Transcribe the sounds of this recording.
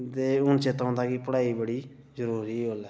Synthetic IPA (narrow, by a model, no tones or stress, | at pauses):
t̪eːʊnt͡ʃeːt̪ãõnd̪aːkipəɽaːiːbəɽiː | zəɾuːɾiːɦoːlɛː